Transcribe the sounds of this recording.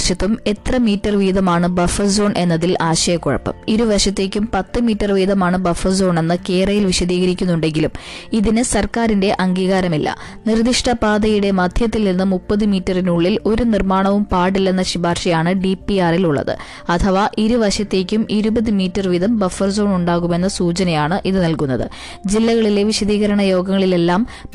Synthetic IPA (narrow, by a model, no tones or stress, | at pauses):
ʂɐt̪ːume̞t̪rɐmiːtːɐrʋiːd̪ɐmaːɳɨbɐfɐrso̞ːɳʔe̞nːɐðilʔaːɕɐjɐkːoɻɐ̰pːɐ̰miɾuʋɐʂɐt̪ːe̞ːkʲːumpɐt̪ːɨmiːtːɐrʋiːðɐmaːɳɨbɐfɐrso̞ːɳe̞nːɨke̞ːrɐjilʋiɕɐðiːɣɐɾikʲːunːuɳɖe̞ŋɡilumiðinɨsɐrkaːɾinde̞ʔɐŋɡiːɣaːɾɐmilːɐ̰ | nird̪iʂʈɐbaːd̪ɐjuɽe̞mɐd̪ʱjɐt̪ːilninːɨmupːɐðɨmiːtːɐrinuɭːilo̞ɾunirmaːɳɐʋumpaːʈilːɐnːɐɕibʱaːrʂɐjaːɳɨɖipːiaːriluɭːɐ̰ðɨ̰ | ɐt̪ʰɐʋaʔiɾuʋɐʂɐt̪ːe̞ːkʲːumʔiɾubɐðɨmiːtːɐrʋid̪ɐmbɐfɐrzo̞ːɳuɳɖaːɣume̞nːɐsuːt͡ɕɐnɐjaːɳɨʔiðɨnɐlkunːɐðɨ̰ | d͡ʑilːɐɣɐɭileʋiɕɐðiːɣɐɾɐɳɐjo̞ːɡɐŋːɐɭile̞lːaːm